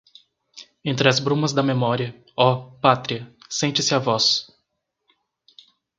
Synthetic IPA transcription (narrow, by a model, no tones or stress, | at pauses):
ẽnt̪ɾɪɐzbɾũmɐzd̪ɐmemɔɾiɐ | ɔpat̪ɾiɐsẽnt͡ʃɪsɪavɔs